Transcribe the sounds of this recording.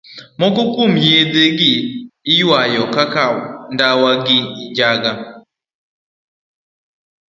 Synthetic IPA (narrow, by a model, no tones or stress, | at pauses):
mɔkɔkomjed̪eɡɪːjwajɔkakawndawaɡɪːd͡ʒaɡa